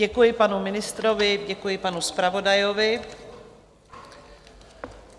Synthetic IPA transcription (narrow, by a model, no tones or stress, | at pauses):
ɛkujɪpanumɪnɪst̪ɾovɪɟɛkujɪpanuspɾavo̞dajovɪ